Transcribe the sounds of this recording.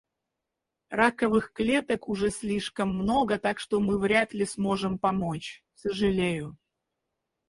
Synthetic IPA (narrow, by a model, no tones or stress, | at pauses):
rakəvɨxklʲe̞t̪əkʊʐɛsʲlʲiʂkəmːno̞ɡət̪akʂt̪omɨvɾʲat̪lʲɪsmo̞ʐɨmpɐmo̞t͡ɕ | səʐɨlʲejʊ